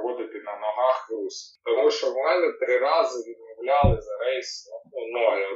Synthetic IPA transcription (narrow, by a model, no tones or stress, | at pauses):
ɣɔd̪ɪt̪ɪnɐnɔɦɑxrust̪ɔmuʃt͡ʃɔʋmɛnɪt̪ɾɪɾɑzɪʋʲid̪̚mɔwlʲalˠɪzɐɾɛjsɔɔnɔjɔ